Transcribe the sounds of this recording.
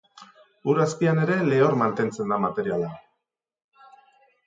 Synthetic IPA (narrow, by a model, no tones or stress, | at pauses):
uɾaspiane̞ɾe̞leo̞ɾmant̪e̞nt͡se̞nd̪amat̪e̞ɾiala